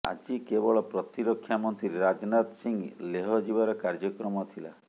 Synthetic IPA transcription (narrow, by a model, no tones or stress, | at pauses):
a̰d͡ʒikebɔɭɔpɾɔt̪iɾɔkʰːjamɔnt̪iɾeɾad͡ʒnat̪siŋleɦɔd͡ʒibaɾɔkaɾd͡ʒɔkɾɔmɔt̪ʰila̰